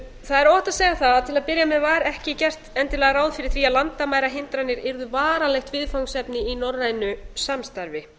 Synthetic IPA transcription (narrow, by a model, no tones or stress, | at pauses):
θaðɛɾɔːht̪aðsɛːɣaθaðt̪ʰɪlaðpɪɾjamɛðvaːɾɛhcɪcɛr̥t̪ɛnt̪ɪlɛːɣaɾaːwðfɪɾɪɾ̥θɾiːalant̪amaːjɾaɦɪnt̪ɾanɪɾɪɾðʏvaːɾalɛxt̪vɪðfawŋsɛpnɪinɔrrːajnʏsamst̪aɾvɪ